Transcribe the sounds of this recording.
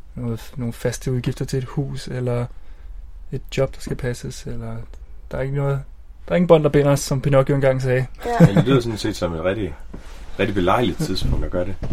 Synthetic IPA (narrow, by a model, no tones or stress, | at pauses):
noːð̩ˠno̝ːn̩fæsd̥əuð̞ˠɡ̥ifd̥ɐt͡sʰe̝e̝d̥hṵːselɐ | e̝d̥̚jɒ̽b̥d̥ɑ̈sɡ̥æpʰæsəselɐd̥ɑ̈ɐe̝ɡ̥ənɔ̽ːð̩ˠ | d̥ɑ̈e̝ŋn̩b̥ɶn̰d̥ɑ̈b̥e̝n̰ɐɒsɒ̽mpʰinɒ̽ɡ̥joenɡɑ̈ŋ̰s̬ɛːændlyð̰ˠɐsɒ̽nse̝̰ːd̥sɒ̽me̝d̥ʁɛɾ̥i̥ʁɛd̥ib̥e̝lɑ̈ɪ̰lið̥̩ˠt͡sʰiðˠspʰɔ̽ŋ̰d̥ɒɡ̥ɶɐɾ̥e